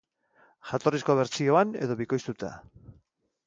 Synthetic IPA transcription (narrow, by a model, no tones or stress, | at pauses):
ʝat̪o̞risko̞βe̞ɾt͡sio̞ane̞̰ðo̞βiko̞jst̪ut̪a̰